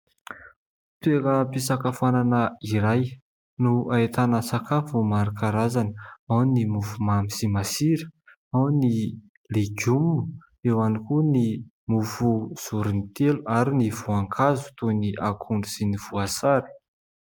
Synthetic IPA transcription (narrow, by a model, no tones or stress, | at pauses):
t̪eɾəpisakafananəiɾaj | nuaet̪anəsakʰafumaɾakaɾazanəawnimufumamisimasiɾə̥ | awni | leɡumu | ewanikuni | mufuz̥uɾinit̪eluaɾinivuaŋkʰazu̥t̪uniʔakʰuɳɖ͡ʐusiniv̥uasaɾi̥